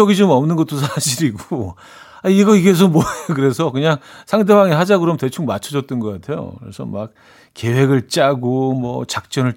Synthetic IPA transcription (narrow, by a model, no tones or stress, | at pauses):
ʌɡid͡ʑomʌmnɯnɡʌt͈os̬ʰaɕʰiɾiɡo | aiɡʌikes̬ʰomwʌekɯɾe̞sʰʌkɯɲaŋsʰaŋde̞baŋeɦad͡ʑaɡɯɾʌmte̞t͡ɕʰuŋmat͡ɕʰʌd͡ʑʌt̚t͈ʌnɡʌk͈atʰe̞jo̰kɯɾe̞̰sʰʌ̰ma̰k̚ | ke̞we̞ɡɯɭt͡ɕ͈aɡomwʌ̰t͡ɕak̚t͡ɕ͈ʌnɯɭ